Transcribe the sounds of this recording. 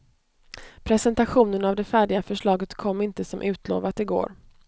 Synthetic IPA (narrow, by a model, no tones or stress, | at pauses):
pʰɾɛsɛnt̪aɧuːnənavd̪ɛfæːɖɪɡafœʂɭɑːɡət̪kʰɔmːɪnt̪əsɔmʔʉ̟ːt̪ʰlo̰ːvat̪ɪɡo̰ːɾ